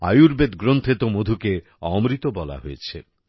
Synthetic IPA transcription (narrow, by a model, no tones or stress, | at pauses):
a̰juɾbed̪ɡɾont̪ʰet̪omod̪ʱuke | ɔ̰mɾit̪obɔla̰ɦojet͡ɕʰe